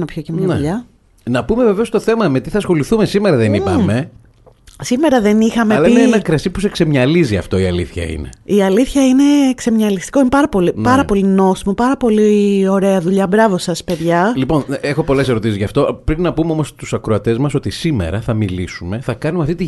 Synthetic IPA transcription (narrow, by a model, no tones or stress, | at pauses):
nɐpçocemɲɐnʎɐ | nɐpume̞veveo̞st̪o̞θe̞mɐme̞t̪iθɐsxo̞liθume̞simeɾɐðeniɐme̞ | sime̞ɾɐðe̞nixɐmeɐlɐineenɐkɾɐsipuse̞kse̞mɲɐliziɐ̰ft̪o̞iɐliθçɐ̰ḭne̞̰iɐliθçɐine̞kse̞mɲɐlist̪i̥ko̞inepɐɾɐpo̞lipɐɾɐpo̞lino̞simopɐɾɐpo̞lio̞ɾe̞ɐðuʎɐbɾɐvo̞sɐspe̞ðʝɐlipo̞nexo̞po̞le̞se̞ɾo̞t̪isizʝɐft̪o̞pɾipnɐpumeomo̞st̪usɐkɾoɐt̪e̞zmɐso̞t̪isime̞̰ɾɐθɐmilisume̞θɐkɐnumeɐft̪it̪i